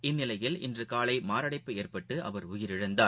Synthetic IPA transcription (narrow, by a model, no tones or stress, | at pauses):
ɪnːɪlɐjɪlɪ̰ndrɯkaːlɐɪmaːɾɐɽɐɪpːɯeːrpɐʈːɯʔɐ̰ʋɐɾʊjɪɾɪɻɐnd̪aː